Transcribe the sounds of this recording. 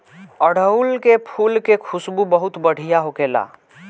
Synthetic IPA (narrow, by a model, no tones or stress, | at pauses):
əɽəulkepʰulkekʰusbubəɦut̪bəɽ̤ʱijaɦokela̰